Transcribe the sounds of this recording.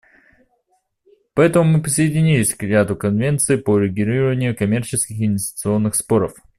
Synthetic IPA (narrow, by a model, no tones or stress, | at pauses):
pɐɛt̪əmʊmɨpɾʲɪsəɪdʲɪnʲilʲɪsʲkɾʲɪat̪ʊkɐnvʲe̞nt̪sɨɪpoɾʲɪɡʲɪɾʲiɾəvənʲɪjʊkɐmʲe̞rt͡ɕɪskʲɪxɪnvʲɪsʲtʲɪ̥t̪sɨo̞nːɨxspo̞ɾəf